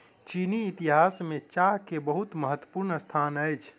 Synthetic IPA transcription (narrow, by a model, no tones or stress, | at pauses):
t͡ʃiniːt̪iɦasmet͡ʃaɦkebəɦut̪məɦət̪wə̥puɾnəst̪ʰanəjt͡ʃʰ